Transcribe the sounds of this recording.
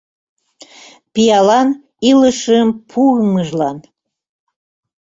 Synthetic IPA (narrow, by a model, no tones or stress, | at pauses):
pijɑlɑn | iləʃəmpʰuɣməʒlɑn